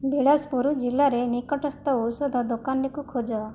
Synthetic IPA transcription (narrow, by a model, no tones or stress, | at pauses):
bʱiɽaspuɾud͡ʒilːaɾenikɔʈɔst̪ɔusɔd̪ʱɔd̪okanɾekukʰod͡ʒɔ